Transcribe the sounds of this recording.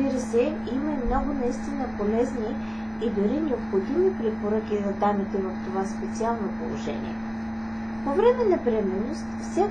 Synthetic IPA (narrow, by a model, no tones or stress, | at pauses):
iɾəsɛ | iməimnɔɡʊnɐist̪inəpolɛzni | id̪ʊɾinɛopxod̪imipɾɛpoɾɤkizɐd̪amit̪ɛvoft̪ovaspɛt̪sialˠnopolˠo̰ʒɛ̰nḭɛ̰ | povɾɛmɛnɐpɾiɛmɛnost̪fsʲa